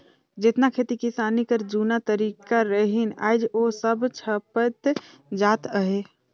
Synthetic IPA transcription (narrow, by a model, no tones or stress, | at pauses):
d͡ʒet̪nakʰet̪ikisaːnikəɾd͡ʒunat̪əɾiːkaɾəɦina̰ːɪd͡ʒosəbt͡ʃʰəpət̪ | d͡ʒaːt̪əɦe